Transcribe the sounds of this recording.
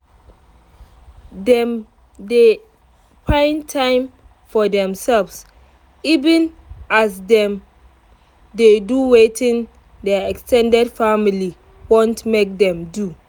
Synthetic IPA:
dɛ̃m | de | pʰãɪ̃ntʰãɪ̃m | fɔdɛ̃msɛlvs | ivĩn | asdɛ̃m | deduwetĩn | dɛɛkstʰɛ̃ndɛdfamili | wõntmek̚dɛ̃mdu

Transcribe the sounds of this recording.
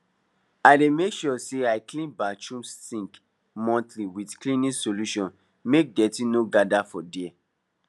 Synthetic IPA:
aɪdemekʃɔseaɪklĩnbat͡ʃũmstĩŋk | mɔ̃ntliwidklĩnĩsoluʃɔ̃n | mek̚dɛtĩnoɡadafɔdɛɛ

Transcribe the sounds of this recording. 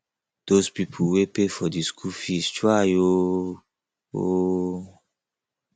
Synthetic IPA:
d̥ospipʰuwepefɔdiskʰufistɹajo | o

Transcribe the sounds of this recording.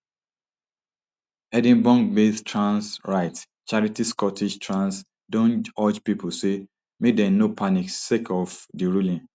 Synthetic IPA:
ɛdĩnbɔ̃ŋɡbeθtɹãnsɹaɪt | t͡ʃaɹitiskɔtid͡ʒtʰɹãns | dõnɔd͡ʒpipʰose | medɛ̃nopʰaniksekʰɔfdiɹulĩn

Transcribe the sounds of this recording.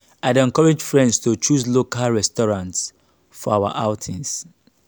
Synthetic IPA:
aɪdɛ̃ŋkɔɹɛd͡ʒfɹɛ̃ndstʰot͡ʃuslokʰalɹɛstɔɹãnts | fɔawa̰ʔaʊtʰĩns

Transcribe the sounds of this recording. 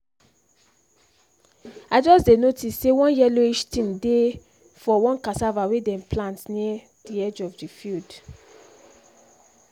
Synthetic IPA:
ad͡ʒɔsdenotisːewɔ̃njɛloiʃtĩmde | fɔwɔ̃nkasavawedɛ̃mplãntniɛ | d̥iɛd͡ʒɔvdifild

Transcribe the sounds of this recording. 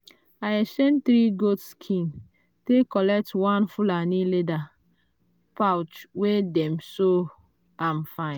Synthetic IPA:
aeʃɛ̃nt̪ɾiɡotskʰĩn | tekɔlɛk̚twãnfulanĩleda | pawt͡ʃwedɛmso | amfãɪ̃n

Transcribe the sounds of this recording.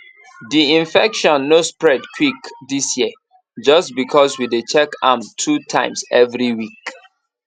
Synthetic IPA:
diĩnfɛkʃɔ̃nːospɹɛdkʰwikdisjiə | d͡ʒʌstbikʰɔswidet͡ʃɛkã̰mtʰutʰã̰ɪ̃msɛvɹiwik

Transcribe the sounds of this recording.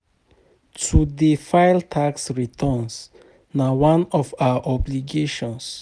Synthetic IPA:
tʰudefaɪltʰaksɹitʰɔ̃ns | nawãnɔfaaʔɔbliɡeʃɔ̃ns

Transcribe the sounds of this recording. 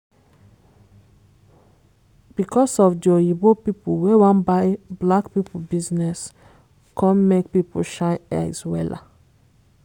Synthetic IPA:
b̥ikʰɔsɔvdiɔibopipowewãnbaɪblakpipobiznɛs | kʰɔ̃nmek̚pipo̰lʃãɪɛ̰swɛla̰

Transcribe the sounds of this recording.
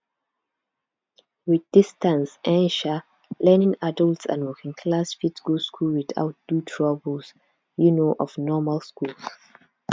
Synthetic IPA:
wiðdɪstãnsɛ̃nʃa | lɛnɪ̃ŋadəltsã̰nwɔkĩŋkʰlasfiskoskʰulwɪða̰ʊt̚d̥utʰɹ̥abəls | junoʔɔvnɔmalskuls

